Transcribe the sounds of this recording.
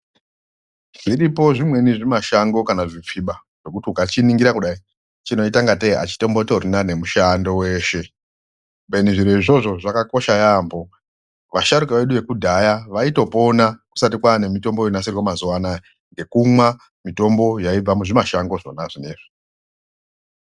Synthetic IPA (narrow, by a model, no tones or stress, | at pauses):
ʐiripo̞ʐimwe̞niʐimaʃaŋɡo̞kanaʐip͡fiɓa | ʐ̥e̞kutiukat͡ʃiniŋɡiɾakuɗai | t͡ʃino̞itaŋɡatea̰t͡ʃi̥to̞mbotoɾinane̞muʃando̞we̞ːʃe̞ | be̞niʐiɾeiʐo̞ʐo̞ʐakako̞ʃajaːmbo̞ | ʋaʃaɾukaʋe̞ɗuʋe̞kudʱajaʋaito̞po̞naku̥sat̬ikwane̞mito̞mbojonaserwomazuanae | ŋɡe̞kumwa | mito̞mbo̞jaib͡vamuʐimaʃaŋɡo̞ʐo̞̰naʐine̞ːʐi̥